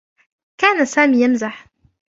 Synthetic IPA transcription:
kaːnasaːmiːjamzaħ

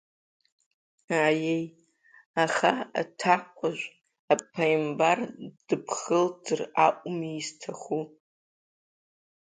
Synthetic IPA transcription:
ajej | aχaa̰tʰakʷʰʼaʒʷ | apʰːajmbard̥ɨpʰχəld͡zɨraʔʷʼmiːztʰaχu

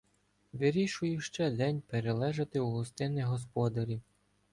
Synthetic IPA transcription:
ʋɪɾʲiʃʊjʊʃt͡ʃɛd̪ɛnʲpeɾelˠɛʒɐt̪ɪuɦˠɔst̪ɪnɪɦɔs̬pɔd̪ɐɾʲi

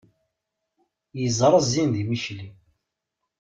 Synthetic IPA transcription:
jəzˤɾˤəzːinðimiʃli

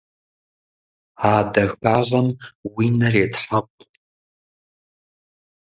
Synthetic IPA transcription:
aːdɐxaʁɐmwinɐreːtħapʷʼ

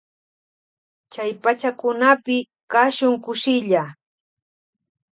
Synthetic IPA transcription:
t͡ʃajpat͡ʃakʊnapɪ | kaʃʊŋkʊʃɪʎa

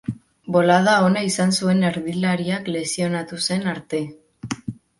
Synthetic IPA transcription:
bo̞lað̞ao̞naisansue̞neɾðilaɾiakle̞sio̞nat̪use̞naɾt̪e̞

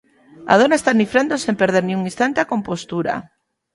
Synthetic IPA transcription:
a̰ð̞onaest̪anifɾand̪osempeɾð̞eɾnĩuŋĩst̪ant̪eakõmpost̪uɾa̰

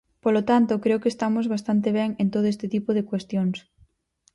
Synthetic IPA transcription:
polot̪ant̪okɾeokest̪amozβast̪ant̪eβ̞ɛŋẽnt̪oðoest̪ɪt̪ipoðekwest̪joŋs

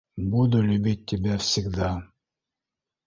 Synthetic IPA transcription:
bud̪ulʲybit̪ʲːibɛfsʲiɡd̪a

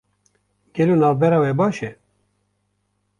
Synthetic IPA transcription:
ɡ̥ɛloːnɑːvbɛɾɑːwɛbɑːʃɛ

